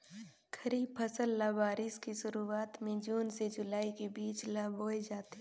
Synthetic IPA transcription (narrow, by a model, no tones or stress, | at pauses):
kʰəɾiːb̚pʰəsəlːabaːɾɪskiʃʊɾuaːt̪mẽd͡ʒuːnsed͡ʒʊlaːikebiːt͡ʃlaːbɦoːed͡ʒaːt̪e